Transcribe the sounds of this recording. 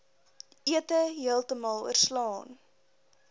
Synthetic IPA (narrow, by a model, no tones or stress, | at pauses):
ʔiətəɦiəlˠtəmɑlˠṵərslɑːn